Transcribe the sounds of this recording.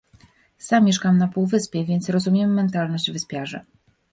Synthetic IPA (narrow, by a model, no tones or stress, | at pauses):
samʲːjeʂkamnapuwvɘspʲjɛvʲɛnt̪sɾɔzumʲjɛmːɛnt̪alnɔʑd͡ʑvɘspʲjaʐɛ